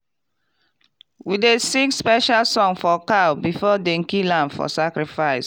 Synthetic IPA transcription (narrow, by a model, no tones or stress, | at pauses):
widesĩŋspɛʃalsɔ̃ŋfɔkabifɔdẽŋkilãnfɔ̰sakɾifaɪs